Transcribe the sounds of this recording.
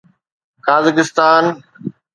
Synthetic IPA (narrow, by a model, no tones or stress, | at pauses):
kaːzɪkɪst̪aːn